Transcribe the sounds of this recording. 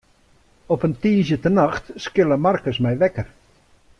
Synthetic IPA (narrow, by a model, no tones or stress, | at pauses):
ɔpəntiːzjətənaxtskɪlˠəmarkəsmɛjʋɛkər